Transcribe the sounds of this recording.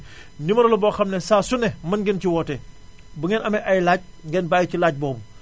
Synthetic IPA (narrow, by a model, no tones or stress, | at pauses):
nimɐɾɐlɐbɔːxɐmnɛsaːsunɛmɐnɡintiwɔːte | buŋɛnʔɐmɛʔajlaːɟ̚ŋɡɛnbaːjicilaːɟ̚bɔːbu